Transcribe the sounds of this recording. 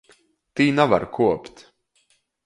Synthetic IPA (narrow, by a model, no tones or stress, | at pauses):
t̪iːnava̰ɾkʰuɔpt̪